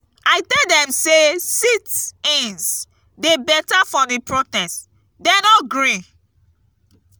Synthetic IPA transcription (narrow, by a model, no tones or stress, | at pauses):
aɪtɛdɛ̃msesitĩns | debɛtafɔdipɹotɛst | dɛnɔtɡɹĩ